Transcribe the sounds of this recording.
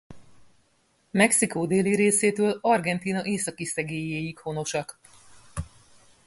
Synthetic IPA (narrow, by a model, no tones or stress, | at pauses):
mɛksikoːd̪eːliɾeːseːt̪øːlɒrɡɛnt̪iːnɒʔeːsɒkisɛɡeːjeːjikho̞no̞ʃɒk